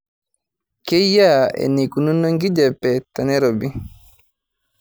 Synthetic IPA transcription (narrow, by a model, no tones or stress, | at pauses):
kɛjːaːɛ̰nikununːɔŋɡid͡ʒɛpːɛtanɛɾɔbi